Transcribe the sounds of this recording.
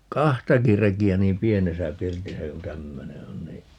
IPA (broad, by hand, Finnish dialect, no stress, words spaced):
kɑhtɑki rekiæ niːm pienesæ pirtisæ ku tæmːøne on niː